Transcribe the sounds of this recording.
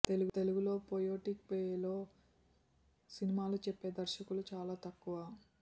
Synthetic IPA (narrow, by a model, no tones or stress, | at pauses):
t̪e̞luɡt̪e̞luɡulo̞ːpojoːʈik̚pejelo̞ː | sinimaːlut͡ʃepːe̞ːd̪ɐɾʃɐkulut͡ʃaːlaːt̪ɐkːuʋaː